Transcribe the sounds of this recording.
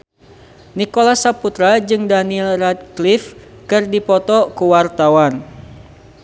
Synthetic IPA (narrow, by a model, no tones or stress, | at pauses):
nikolasaput̪ɾad͡ʒɨŋdanilrat̪̚klifkɨrdipɔt̪ɔkuwart̪awan